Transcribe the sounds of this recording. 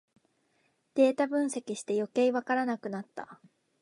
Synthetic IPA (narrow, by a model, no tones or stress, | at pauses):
d̪̥e̞ːt̪abɯ̟̃ɰ̃se̞kʲiɕi̥t̪e̞jo̞ke̞iβakaɾanakɯ̟nat̪ːa̰